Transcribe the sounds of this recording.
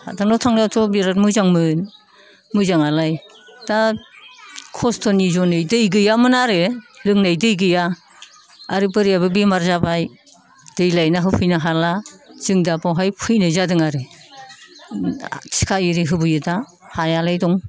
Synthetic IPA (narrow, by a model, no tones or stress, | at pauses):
ha̰daŋnɔtʰaŋljawtʰɔbiɾatmɯzaŋmɯn | mɯzaŋalaj | da | kʰɔstʰɔnizɔnɯjdɯjɡɯjamɯnaɾelɯŋnajdɯjɡɯja | aɾipɯɾijabɯbimaɾzabaj | d̥ɯjlajnaɦɯpʰɯjnaɦalaz̥ɯŋdapawɦajpʰɯjnɯzadɯŋaɾe | t͡ʃʰi̥kʰaiɾiɦɯbɯjɯda | hajalajdɔŋ